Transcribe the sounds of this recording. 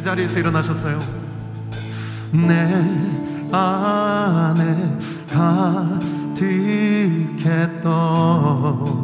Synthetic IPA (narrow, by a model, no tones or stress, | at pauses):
ed͡ʑaɾiesʰʌiɾʌnaɕʰʌs͈ʌjo | ne | a | ne | ka | t̪ʰi | kʰet̪͈ːo